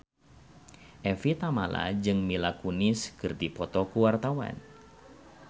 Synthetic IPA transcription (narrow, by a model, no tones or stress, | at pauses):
ʔɛfit̪amala̰d͡ʒɨŋmilakunɪskɨrd̪ipɔt̪ɔkuwart̪awa̰n